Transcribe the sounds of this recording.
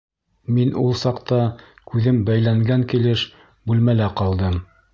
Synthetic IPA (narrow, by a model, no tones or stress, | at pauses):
minulˠsɑqt̪ɑkʉðɘmbæjlæŋɡæŋkilɘʃ | bʉlmælæqɑlˠd̪ɤm